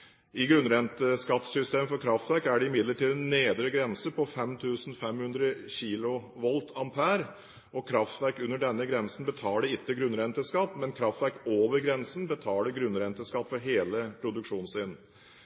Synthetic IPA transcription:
ɪɡɾʉnɾɛnt̪əskɑt̪ːsʏst̪eːmfɔɾkʰɾɑft̪ʋæɾkæɖɛɪmɪd̪ləʈiːd̪nːeːd̪ɾəɡɾɛnsəpʰɔfɛmt̪ʰʉːsn̩fɛmhʉnd̪ɾəçiːlʊʋɔlt̪ʰɑmpʰæːɾ | ɔkʰɾɑft̪ʋæɾkʉnːəɖɛnːəɡɾɛnsn̩bət̪ʰɑːləɾɪt̪ːəɡɾʉnɾɛnt̪əskɑt̪ːmɛnkʰɾɑft̪ʋæɾkoːʋəɾɡɾɛnsən̩bət̪ʰɑːləɾɡɾʉnɾɛnt̪əskɑt̪ːfɔɾɦeːləpʰɾʊd̪ʉkʂuːnsɪn

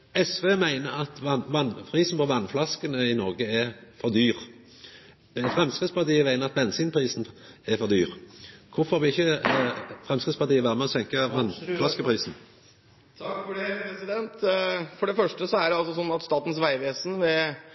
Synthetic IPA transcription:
ɛsʋeːmæɪnəɾɑt̪ʋɑnʋɑnfʰʁiːsn̩pʰɔʋɑnflɑskənəɪnɔʁɡəæʁfɔʁd̪yːʁ | fʁɛmskɪd̪spɑt̪iːəʋæɪnəɾɑt̪ʋɛnsiːnpʰʁiːsn̩ɛfɔʁd̪yːʁkʰʊfɔʁʋɪɪçːə | fʁɛmskʁɪd̪spɑʁt̪iːəʋæːʁmɛɔsɛŋkəʋɑnflɑskəpʰʁiːsn̩ʰ | fɔɛsɪd̪ɛnt̪fɔɖɛfœʂʈəsɔæɖɛɑlsɔsɔnːɑt̪st̪ɑːt̪n̩sʋæɪʋeːsn̩ʋɛ

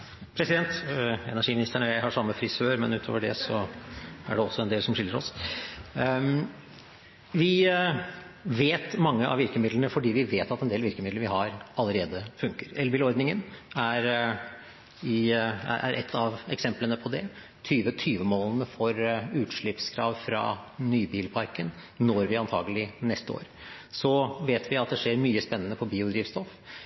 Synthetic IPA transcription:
pʰɾɛsɪd̪ɛnt̪ɛ̰næʂiːmɪnɪst̪əɳəjæɪhɑʂɑmːəfɾɪsøːɾmɛ̰nʉːt̪ʰo̰ːʋəɖɛ̰sɔ | æ̰ɖɛɔsːɔɛnd̪eːlsɔmʂɪlːəɾɔs | ʋɪ | ʋeːt̪mɑŋːəʔɑ̰ʋɪɾkəmɪd̪lnəfɔɖiːʋɪʋeːt̪ɑt̪ɛnd̪eːlʋɪɾkəmɪd̪ləɾʋɪɦɑɾɑlːəɾeːd̪əfʉŋkəɾɛlbɪːlɔɾd̪nɪŋənæɾ | ɪæ̰ʔæ̰ɾʔɛ̰t̪ʰːɑʋɛksɛmplənəpʰɔd̪ɛ | t̪ʰyːʋət̪ʰyːʋəmoːlənəfɔɾʉːt̪ʂɭɪpskʰɾɑ̰ːʋfɾɑ̰nyːbiːlpʰɑɾkən | nɔɾʋɪɑnt̪ʰɑ̰ːɡəlɪnɛst̪əo̰ːɾ | sɔʋeːt̪ʰʋɪɑt̪̚d̪ɛʂeːɾmyːəspɛnːənəpʰɔbiːʊd̪ɾiːʋst̪ɔf

